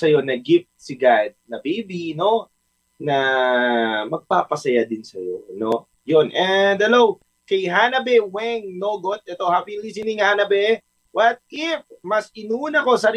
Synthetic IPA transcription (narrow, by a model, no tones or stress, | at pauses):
sɐjo̞nɐɡɪf̚t̪siɡad̪̚nɐbiːbino̞ | nɐ | mɐɡ̚paːpɐsɐjad̪ɪnsɐjo̰no̞ | jonʔɛnd̪̚hɐlow | kɐjɦanɐbɛwɛŋnoːɡot̪̚ʔɛt̪o̞hapilisinɪŋhaːnɐbɛ | wɐt̪̚ɪf̚mɐsɪnuːnɐko̞sɐɾ